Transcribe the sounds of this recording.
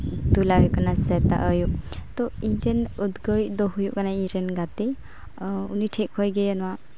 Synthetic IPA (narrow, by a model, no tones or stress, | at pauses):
d̪ulaɦujkanasɛt̪a̰ʔəjuʔt̪ɔindenud̪ɡəjd̪ɔɦujuʔkanaĩɾɛnɡat̪ɛ | uniʈʰɛk̚hɔjɡɛanɔwa